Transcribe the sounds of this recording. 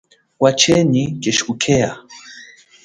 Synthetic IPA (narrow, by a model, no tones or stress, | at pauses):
wat͡ʃʰɛnikeʃukʰea